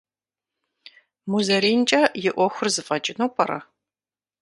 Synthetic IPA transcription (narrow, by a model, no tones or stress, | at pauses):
muzɐɾiːnt͡ʃʼɐjɪʔʷɔxʷʊrzɨfʼɐt͡ʃʼɪnɐwpʼɐɾɐ̰